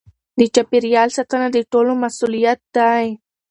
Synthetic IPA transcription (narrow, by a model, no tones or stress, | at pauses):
d̪ət͡ʃapiɾjɑlsat̪anad̪əʈolomasulijat̪̚d̪aj